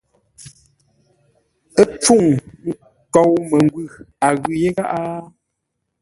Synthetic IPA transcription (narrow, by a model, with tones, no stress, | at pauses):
ə˦p͡fu˦˨ŋŋ̩˦ | kɔ˨wmə˨ŋɡwʉ˦˨ | a˨ɣʉ˨je˦ɣa˦ʔa˦